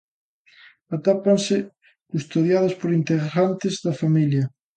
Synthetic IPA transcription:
at̪apansɪ | kust̪oðjaðɐspoɾint̪eɣɾant̪ɪzðɐfamiljɐ

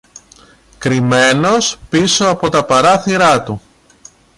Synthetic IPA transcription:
kɾime̞no̞spiso̞ɐpo̞t̪ɐpɐɾɐθiɾɐt̪u

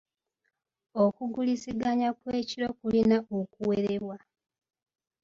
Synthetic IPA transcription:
okuɡulisiɡaɲakwe̞ːciɾo̞kulinaokuwe̞ɾeβwa

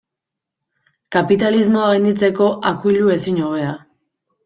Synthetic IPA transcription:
kapit̪alizmo̞aɣajnd̪it͡se̞ko̞ʔakuijʎue̞siɲoβ̞e̞a

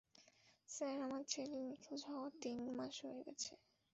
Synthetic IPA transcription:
sɛɾamadt͡ɕʰelinikʰud͡ʑʱɦɔoat̪inmaʃɦojeɡɛ̰t͡ɕʰe

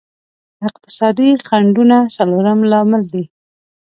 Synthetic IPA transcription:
ɪq̚t̪ɪ̥sɑd̪ixaɳɖunasaloɾəmlɑmɪld̪i

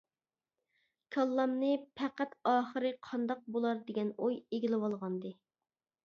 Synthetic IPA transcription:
kʰɑlˠːɑmnɨpʰɛqæt̪ɑːχəɾɨqʰɑnd̪ɑq̚bolˠɑɾd̪eɡʲɛnojeɡʲilɪwɑlˠʁɑnd̪ɨ

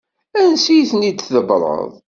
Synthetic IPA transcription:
ænsijθənid̪t͡sðəbɾˤə̰ðˤ

